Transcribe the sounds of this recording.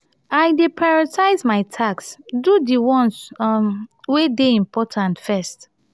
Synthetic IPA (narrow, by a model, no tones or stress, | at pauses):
aɪdepʰɹaɹɔtʰaɪzmaɪtʰaksdudiwɔ̃ns | wedeĩmpʰɔtʰãntfɛst